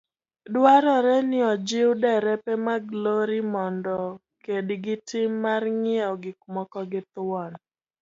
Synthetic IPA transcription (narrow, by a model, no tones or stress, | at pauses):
dwaɾɔɾɛnɪɔd͡ʒɪwdɛɾɛpɛmaɡloɾimɔndɔ | kedɡɪtɪmːarŋɪɔɡɪkmɔkɔɡɪt̪wɔn